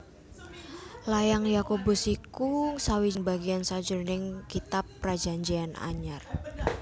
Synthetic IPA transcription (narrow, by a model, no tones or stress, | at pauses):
lajaŋjakobusikuŋsawiŋbaɡiansad͡ʒʊrnɪŋkit̪apːrad͡ʒaɲd͡ʒiana̰ɲar